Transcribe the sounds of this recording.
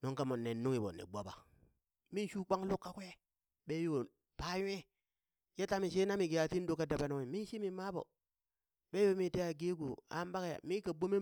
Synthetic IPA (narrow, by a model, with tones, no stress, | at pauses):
no˦ŋka˦mo˨nːe˨nːu˦ŋi˨bo̰˨nḭ˨ɡ͡bo˦ba̰˨ | mi˦n˦ʃu˦k͡pa˦ŋlu˦kːa˦kʷje˦ | ɓe˦jo˨ | pa˦jʷe˦ | je˦ta˦mi˨ʃ̬e˦na˦mi˨ki˨ja˨ti˦n˦do˦ka˦da˨ba˦nu˦ŋi˨mi˦n˦ʃi˦mi˨ma˦bo̰˨ | ɓe˦jo˦mi˦te˦a˨ɡe˦ɡu˨a̰˦m˦ba˦kja̰˨mi˦ka˨bo˦me˦